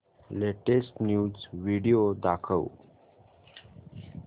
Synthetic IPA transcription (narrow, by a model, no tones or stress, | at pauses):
leʈesʈnjuːzʋiɖijod̪akʰəw